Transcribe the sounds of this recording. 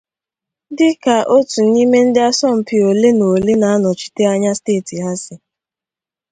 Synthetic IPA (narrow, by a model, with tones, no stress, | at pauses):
dɪ˦ka˨ʔo˦tu˨n̩˦i˦me˦n̩˦dɪ˦a˦sɔ˦m̩˨pi˨o˨le˦no˨le˦na˨˦nɔ˨t͡ʃi̥˨te˦a˦ɲa˦steː˦˨ti˨ɦa˦sɪ˨